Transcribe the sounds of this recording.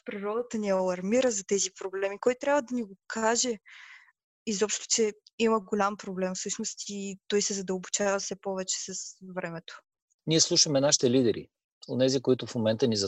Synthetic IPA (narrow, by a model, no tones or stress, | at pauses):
pɾiɾɔd̪ət̪əniɛɐlˠɐɾmiɾəzɐt̪ɛzipɾoblɛmikɔjt̪ɾʲabvəd̪ɐniɡokʰaʒɛ | izɔpʃt̪ʊ̥t͡ʃɛiməɡolʲampɾoblɛmfsɤʃnost̪it̪ɔjsɛzɐd̪əlˠbot͡ʃavɐfsɛpɔvɛt͡ʃɛ̥sɐsvɾɛmɛt̪o̥ | niɛslˠuʃəmɛnaʃi̥t̪ɛlid̪ɛɾḭ | onɛzikoit̪ʊfmomɛnt̪ənizɐ